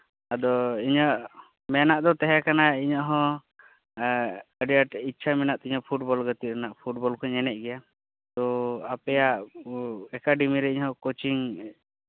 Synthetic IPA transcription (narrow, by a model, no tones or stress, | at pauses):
ad̪ɔiɲəʔ | mɛnaʔd̪ɔt̪ɛɦɛkanaiɲəʔɦɔ̃ | əɖijaʈitːt͡ʃʰamɛnaʔt̪iɲəpʰuʈ̚bɔlɡət̪iɾɛnaʔpʰuʈ̚bɔlkɔɲɛnɛc̚ɡɛja | t̪ɔapɛjaʔ | ɛkaɖimiɾɛiɲɦɔ̃kot͡ʃiŋ